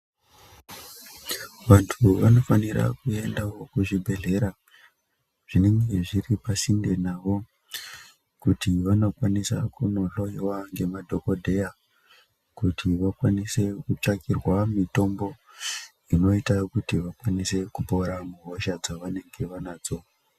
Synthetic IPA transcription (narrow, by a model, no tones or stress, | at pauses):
ʋantʰuʋano̞faniɾa̰kue̞ndawokuʐibʱe̞ɮe̞ɾa | ʐ̥ine̞ŋɡe̞ʐiripasinde̞naʋo̞ | kutiʋano̞kwanisa̰kuno̞ɬo̞jiwaŋɡe̞madʱo̞ko̞dʱe̞ja | kutʰiʋakwanise̞kut͡ʂakirwamito̞mbo̞ | ino̞itakutiʋakwanise̞kupo̞ɾamuɦoʃad͡zaʋane̞ŋɡe̞ʋanaːd͡zo̞